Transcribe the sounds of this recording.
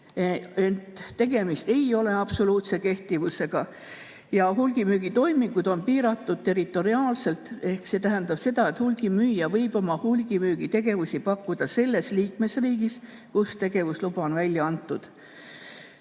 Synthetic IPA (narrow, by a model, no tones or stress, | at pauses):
eent̪ːe̞ɡ̥e̞mist̪e̞jo̞le̞ɑpso̞luːt̪se̞ke̞ht̪ivuse̞ɡ̥ɑ | jɑɦulɡ̥imyːɡ̥it̪o̞jmikud̪̥o̞npiːɾɑt̪ːˑud̪̥̚t̪e̞ɾit̪ˑo̞ɾiɑːlse̞lt̪e̞hkse̞ːt̪æɦænd̪ɑb̥se̞d̪̥ɑet̪hulɡ̥imyːjɑvɤjb̥o̞mɑhulɡ̥imyːɡ̥it̪e̞ɡ̥e̞vusipɑkːud̪̥ɑse̞lːe̞sliːkme̞sriːɡis | kust̪e̞ɡ̥e̞vuslupɑonvælʲjɑɑnt̪ːˑud̪̥